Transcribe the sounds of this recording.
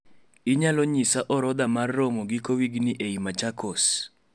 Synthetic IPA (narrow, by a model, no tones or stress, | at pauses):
ɪɲalɔɲisaʔɔɾɔd̪amarːomoɡikowiɡnɪʔeimat͡ʃakos